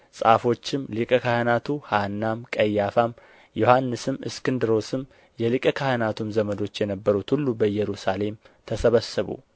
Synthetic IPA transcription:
sʼa̰fo̞t͡ʃːɪmlɨkʼəkʰahənat̪ʰuhanːamkʼəjːafam | jo̞hanːɨsɨmɨ̰skɨnd̪ɨɾo̞sɨm | jɛlɨkʼəkʰahənat̪ʰumzəməd̪o̞t͡ʃːjɛnəbːəɾut̪hulːubəjɛɾusale̞m | t̪ʰəsəβəsːɨβṵ

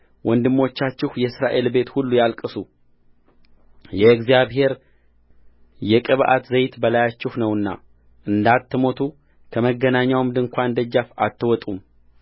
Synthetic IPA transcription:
wʔɔnd̪ɨmːo̞t͡ʃːat͡ʃːɪhjɛsɾaʔe̞lbe̞t̪hulːujalkʼɨsu | jɛɡzijaβɦe̞ɾ | jɛkʼɨβʔa̰t̪zəjt̪bəlajat͡ʃːɪhnəwɨnːa̰ | ʔɨnd̪at̪ːɨmo̞t̪ʰu | kʰəməɡːənaɲːawmd̪ɨŋkʷʰand̪əd͡ʒːafa̰t̪ʰːɨwɔt̪ʼum

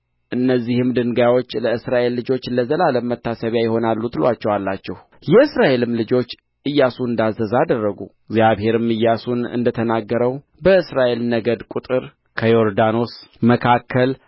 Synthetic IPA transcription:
ʔɨnːəzːihɨmd̪ɨŋɡajwo̞t͡ʃːləɨsɾaʔe̞lːɨd͡ʒo̞t͡ʃːləzəlaləmːət̪ːasəβjajɛho̞nalːut̪lwat͡ʃːɛwalːat͡ʃːɛh | jɛɨsɾaʔe̞lɨmlɨd͡ʒo̞t͡ʃː | ɨjːasuɨnd̪azːəzad̪ərːəɡṵ | ɡzjaβhe̞ɾɨmɨjːasunɨ̰nd̪ət̪ʰənaɡːəɾəw | bəɨsɾaʔe̞lnəɡəd̪kʼut̪ʼɨɾ | kʰəjoɾd̪ano̞sməkʰakʰːəl

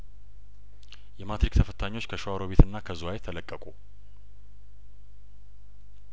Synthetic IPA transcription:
jɛmat̪ɾikt̪ʰəfət̪ʰaɲːo̞t͡ʃːkʰəʃoaɾoβe̞t̪ɨnːakʰəzuajet̪ʰːələkʼːəkʼu

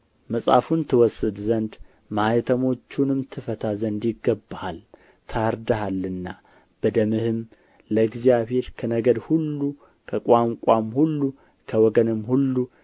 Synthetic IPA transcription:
məsʼa̰funt̪ʰɨwɔsɨd̪zənd̪ | majɛt̪ʰəmo̞t͡ʃːunɨmt̪ʰɨfət̪ʰazənd̪jɪɡːəbːahal | t̪ʰaɾd̪aɦalːɨnːa | b̥əd̪əmɨhɨm | ləɨɡzijaβhe̞ɾkʰənəɡəd̪hulːu | kʰəkʷʼaŋkʷʼamhulːu | kʰəwɔɡənɨmhulːu

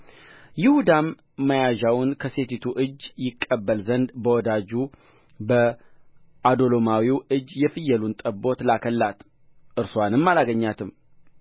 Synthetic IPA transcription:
jɪhud̪amː | əjaʒawʊnkʰəse̞t̪ʰit̪ʰuʔɨd͡ʒːjɪkʼːəbːəlzənd̪bəwɔd̪ad͡ʒu | bə | ʔad̪o̞lomawiwɨd͡ʒːjɛfɨjɛlunt̪ʼəbo̞t̪lakʰəlːat̪ | ʔɨɾswanɨmːalaɡəɲːat̪ʰɨm

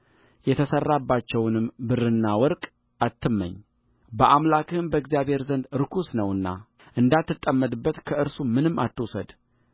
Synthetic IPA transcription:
jɛt̪ʰəsərːabːat͡ʃːɛwnɨmbɨrɨnːawɔɾkʼ | at̪ʰːɨmːə̰ɲː | bəʔamlakɨmbəɪɡzijaβhe̞ɾzənd̪ɾɨkʰusnəwɨnːa̰ | ʔɨnd̪at̪ːɨt̪ʼːəmːət̪ʼɨbːət̪kʰəɨɾsumɨnɨmːa̰t̪ːɨwsəd̪

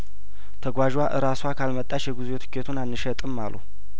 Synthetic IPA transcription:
t̪ʰəɡʷaʒwaʔɨɾaswakʰalmət̪ʼːat͡ʃjɛɡuzet̪ʰɨ̥kʰːet̪ʰunanːɨʃɛt̪ʼɨmːa̰lṵ

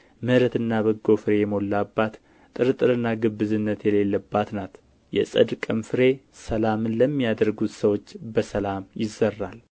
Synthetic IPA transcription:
mɨɾət̪ɨnːaβəɡo̞fɨɾe̞jɛmo̞lːabːat̪ | t̪ʼːɨɾɨt̪ʼːɨɾɨnːaɡɨbːɨzɨnːət̪jɛle̞lːəbːat̪nat̪ | jɛ̰sʼəd̪kʼɨmfɨɾe̞səlamɨnləmːijad̪əɾɡut̪səwo̞t͡ʃːbəsəlamjɪzːərːal

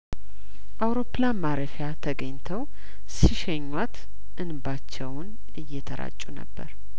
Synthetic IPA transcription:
ʔawɾo̞pːlamaɾəfjat̪ʰəɡəɲt̪ʰəw | siʃɛɲːat̪ | ʔɨnbat͡ʃːɛwn | ɨjːɛt̪ʰəɾa̰t͡ʃʼːunə̰bːə̰ɾ

